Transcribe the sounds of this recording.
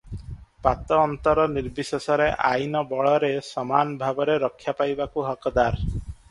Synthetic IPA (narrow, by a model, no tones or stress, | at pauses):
pat̪ɔːnt̪ɔɾɔniɾbisesɔɾeʔa̰jnɔbɔɭɔɾesɔmanbʱabɔɾeɾɔkʰːjapajbakuɦɔkɔd̪aɾ